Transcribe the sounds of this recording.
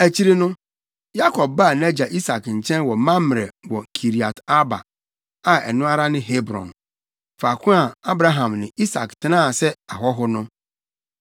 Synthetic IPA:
æ˨t͡ɕʰi˦ɾi˦nʊ̃˦ | ja˦kʰɔ˨b̚ba˦˨nã˦d͡ʑa˨ʔi˦sa˨kɲ̩˨t͡ɕʰɛ̃˦nwɔ˨mã˦m˨ɾɛ˨wɔ˨kʰi˨ɾi˨a˨ta˦ba̰˨ | a˨ɛ̰˨nʊ̃˦a˦ɾa˦nɪ̃˦ɦe˦bɾɔ̰̃˨n | fa˨kʰʊ̃˦a˨a˦bɾa˦ɦã˨mnɪ̃˨i˦sa̰˨ktʰɪ˨nãː˦˨sɛ˦a˨ɦɔ˦ɦʊ˦nʊ̃˦

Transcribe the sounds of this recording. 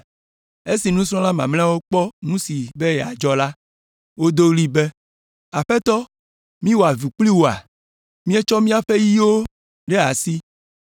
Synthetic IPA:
e˦si˨nũ˦sɾ̃ɔ̃˦la˦mã̰˨ml̃ɛ̃˦wo˦k͡pɔ˦nũ˦si˨be˦jɛ˨a̰˨d͡ʒɔ˦la˦ | wo˦d̪o˦li˦be˦ | a˨ɸe˦t̪ɔ˦ | mĩ˦wo˨a˨vi˨k͡pli˦wo˨a̰˨ | mĩ˦e˦t͡ʃɔ˦mĩ˦a˦˨ɸe˦ji˦wo˦ | ɖe˦a˨si˦

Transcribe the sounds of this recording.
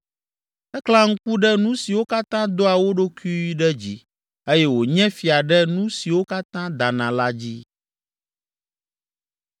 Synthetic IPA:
ɛ˦kla˦ŋ̩˦ku˦ɖɛ˦nũ˦si˨wo˦ka˦t̪ã˦d̪o˦a˨wo˦ɖo˦ki˦i˦ɖɛ˦d͡ʑi˦ | e˦jɛ˦wo˨ɲɛ̃˦fi˨a˨ɖɛ˦nũ˦si˨wo˦ka˦t̪ã˦d̪a˨nã˨la˦d͡ʑi˦

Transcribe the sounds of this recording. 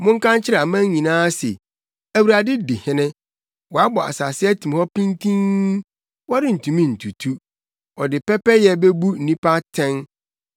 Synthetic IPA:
mʊ̃˦ŋ˦kã˦nt͡ɕʰɪ˦ɾa˨mã˦ɲĩ˨nãː˦sɛ̰˨ | æ˨wu˨ɾa˨dɪ˦dɪ˨hɪ̃˦nɪ̃˦ | wɔ˨a˦bɔ˨a̰˨sa˨sɪ˦ɛ˦tʰĩ˨m˨hɔ˦pʰĩ˦ntʰĩ˦ŋ | wɔ˦dɪ˦n̩˨tʰũ˨mĩ˦n̩˨tʰu˨tʰu˦ | ɔ˨dɪ˨pɛ˦pɛ˦jɛ˨˦bɛ˦bu˦n̩˨nĩ˦pa˦tʰɛ̃˦n

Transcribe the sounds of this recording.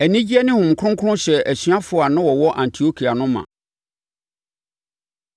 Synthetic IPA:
æ˨nĩ˦d͡ʑi˦ɛ˦nɪ̃˦hʊ̃˨m˨kʰʊ˦ʊ̃˦ŋkʰɾʊ̃˦ɕɛ˨æ˨ɕɥã˦fʊ˨a˨nʊ̃˦wɔ˨wɔ˦ʔã˨n˨tʰi˨o˦kʰi˨a˨nʊ̃˦mã̰˨

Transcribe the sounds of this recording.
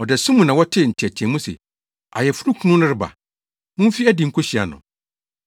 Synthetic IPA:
ɔ˨dɛ˨sũ˦mũ˨nã˨wɔ˦tʰɪ˦˨n̩˨tʰi˨ɛ˨tʰɛ̃˨mũ˦sḛ˨ | a̰˨jɛ˨fu˦ɾu˦kʰu˦nʊ̃˦nʊ̃˦ɾɪ˦ba̰˨ | mʊ̃˦m˦fi˦ɛ˦dɪ˨ŋ̩˦kʰo˦ɕi˨a̰˨nʊ̰̃˨

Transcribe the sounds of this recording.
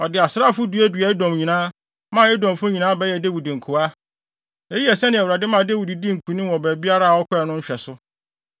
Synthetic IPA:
ɔ˨dɪ˨a˨sɾa˦˨fʊ˦du˨˦æ˦du˨ɛ˦dɔ̃˨mɲĩ˨nãː˦ | mã˦ɛ˦dɔ̃˨m˨fʊ̃˦ɲĩ˨nãː˦bɛ˦jɛ˨de˦wi˨di˨ŋ̩˨kʰʊ˨a˦ | ɛ˦ji˦ɛ˨sɛ˦nɪ̃˦˨æ˨wu˨ɾa˨dɪ˦mã˨de˦wi˨di˨di˦ŋ̩˨kʰũ˨nĩ˦wɔ̃˨bæ˨bi˦a˦ɾa˦a˨ɔ˦kʰʊ˦ɛ˨nʊ̃˦ɲ̩˦ɕᶣɛ˨sʊ˦

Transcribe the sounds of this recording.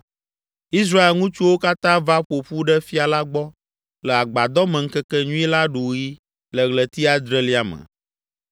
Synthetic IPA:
i˦s̬ɾa˦e˨lŋũ˦t͡ʃu˦wo˦ka˦t̪ã˦va˦ɸo˨ɸu˦ɖɛ˦fi˦a˨la˦ɡ͡bɔ˦ | lɛ˨a˨ɡ͡ba˨d̪ɔ˦mɛ̃˨ŋ̩˦kɛ˦kɛ˦ɲũ˦i˦la˦ɖu˨ji˦ | lə˨ɣlə˨t̪i˦a˦d̪ɾɛ˦li˦a˨mɛ̰̃˨

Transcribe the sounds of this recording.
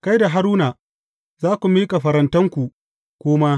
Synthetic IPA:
ka˦jda˨ɦa˦ɾuː˦naː˨ | zaː˦kʷu˨miː˦ka˨ɸɐ˨ɾɐ˦ntɐ˦ŋkʷu˨ | kʷoː˦ma˦

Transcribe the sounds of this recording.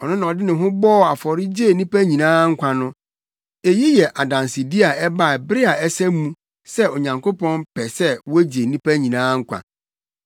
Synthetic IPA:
ɔ˨nʊ̃˦nã˨ɔ˨dɪ˦nɪ̃˨ɦʊ̃˦bɔː˦˨a˨fɔ˨ɾɪ˦d͡ʑe˦˨nĩ˦pæ˦ɲĩ˨nãː˦ŋ̩˦kʷʰã˨nʊ̃˦ | e˨ji˦jɛ˨ʔa˨dã˨nsɪ˨di˦a˨ɛ˦ba˦˨bɪ˦ɾɪ˦a˨ɛ˦sɛ˦mũ˦ | sɛ˦o˨ɲã˨ŋkʰo˦pɔ̃˦npʰɛ˨sɛ˦wɔ˦d͡ʑe˨nĩ˦pʰæ˦ɲĩ˨nãː˦ŋ̩˦kʷʰã̰˨

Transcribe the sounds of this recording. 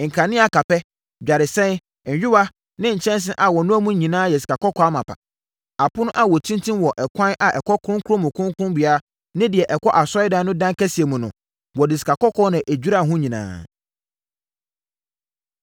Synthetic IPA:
ŋ̩˨kʰã˨nɪ̃˦a˨ka˨pɛ˦ | d͡ʑᶣa˨ɾɪ˨sɛ̃˦˨ | ɲ̩˨ɥʊ˦wa˦ | nɪ̃˦ɲ̩˨t͡ɕʰɛ̃˦ns̬ɪ˦ʔa˨wɔ˨nʊ̃˦æ˦mũ˦ɲĩ˨nãː˦jɛ˨si̥˨kʰa˨kʰɔ˦kʰɔ˨˦a˦mã˨pʰa̰˨ | a˨pʰʊ˦nʊ̃˦ʔa˨wɔ˨tʰĩ˦ntʰĩ˦mwɔ˨ʔɛ˨kʷʰã˦nʔa˨ʔɛ˨kʰɔ˦kʰʊ˦ʊ̃˦ŋ˦kʰʊ˦ɾʊ˦mʊ̃˨kʰʊ̃˦ŋ˦kʊ̃˦bɥa˦ | nɪ̃˦dɪ˨ɛ˨ʔɛ˨kɔ˦ʔa˨sɔ˦ɪ˦dã˦nʊ̃˦dã˦ŋka˦si˨e˨mũ˨nʊ̃˨ | wɔ˨dɪ˨si̥˨kʰa˨kɔ˦kʰɔ˦nã˨ʔe˨d͡ʑᶣu˦ɾa˦˨ɦʊ̃˦ɲĩ˨nã̰ː˨

